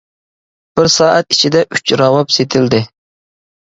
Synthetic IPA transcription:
b̥ɪɾsɑːʔæt̪i̥t͡ʃʰid̪ɛʔyt͡ʃɾɑwɑpset̪ʰɪld̪ɪ

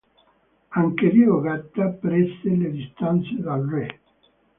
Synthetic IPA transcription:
aŋkeliːoɡat̪ːapɾɛst̪eled̪ist̪ant̪sed̪alre

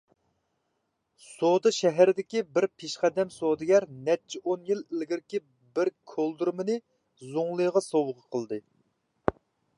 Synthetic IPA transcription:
sod̪ɨʃɛɦæɾɪd̪ɪkʲibɪɾpʰeʃχæd̪ɛmsod̪ɨɡʲæɾnɛt͡ʃʰːiʔonjilɪlɡʲiɾkʲi | bɪɾkʲʰolˠd̪uɾmɨnɨ | zoŋlˠɨjʁɑsowʁəqʰəlˠd̪ɨ

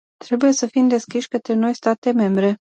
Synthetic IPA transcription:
t̪ɾe̞buje̞səfimd̪e̞skʲiʃʲkət̪ɾe̞no̞jst̪at̪e̞me̞mbɾe̞

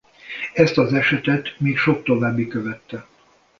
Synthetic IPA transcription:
ɛst̪ɒzɛʃɛt̪ɛt̪miːkʃo̞k̚t̪o̞vaːbːikøvɛt̪ːɛ

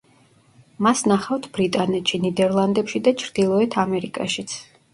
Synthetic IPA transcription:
masnaχaft̪ʰbɾit̪ʼanɛt̪ʃinid̪ɛɾlˠand̪ɛpʃid̪at͡ʃʰɾd̪ilˠɔɛt̪ʰamɛɾikʼaʃit̪sʰ

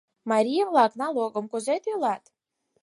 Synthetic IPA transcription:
maɾʲijamlˠaknalˠuɔɡɔmkɔzɛt̪ilˠat̪

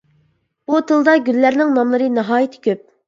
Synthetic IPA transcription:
b̥ut̪ʰɨlˠd̪ɑɡʲylːæɾnɪŋnɑmlˠɨɾɨnɨɦɑːjit̪ʰɪ̥kʲøp̚

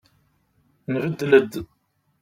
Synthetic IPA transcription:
nvəd̪ːləd̪

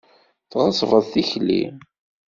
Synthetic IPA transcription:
θʁəsˤvəðˤθiçlḭ

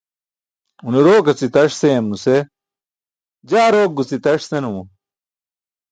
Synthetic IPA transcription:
uneɾoːkɐt͡sit̪ɐʂseːmnuse | d͡ʑaːɾoːk̚ɡut͡sit̪ɐʂsenuu

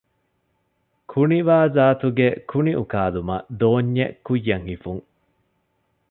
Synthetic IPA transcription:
kʰuniʋaːzaːt̪uɡekʰuniʔukaːlumɐ̰d̪oːɲːḛkujːɐŋhifuŋ

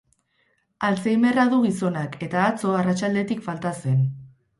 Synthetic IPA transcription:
alt͡sejme̞raðuɣiso̞nakʰe̞t̪aːt͡so̞arat͡ʃald̪e̞t̪ikfalt̪ase̞n

